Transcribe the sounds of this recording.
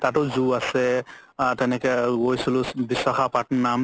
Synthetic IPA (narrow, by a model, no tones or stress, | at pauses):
tatɔzuasɛtɛnɛkɛɡojsilʊbisakapatnam